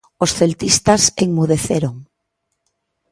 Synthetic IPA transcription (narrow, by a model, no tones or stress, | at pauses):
osθelt̪ist̪aseŋmuð̞eθeɾoŋ